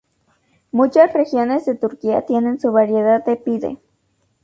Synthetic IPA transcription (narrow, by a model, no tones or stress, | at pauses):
mut͡ʃasrexjonezðet̪uɾkia̰t̪jenensuβaɾjeðaðːepiðḛ